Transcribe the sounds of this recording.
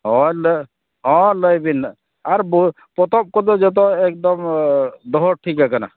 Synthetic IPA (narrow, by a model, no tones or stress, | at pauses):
ɦɔ̃lə | ɦɔ̃ləjbin | aɾb | pɔt̪ɔb̚kɔlɔd͡ʒet̪̬ɔek̚d̪ɔmd̪ɔɦɔʈʰikakəna̰